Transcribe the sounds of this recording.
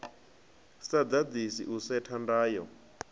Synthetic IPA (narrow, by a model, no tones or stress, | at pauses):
sad̪ad͡zisiʔusɛtʰandaːjɔ̰